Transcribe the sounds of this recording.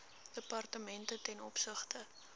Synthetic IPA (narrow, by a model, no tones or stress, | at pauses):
d̥əpɐrtəmɛntətɛnɔpsəχtə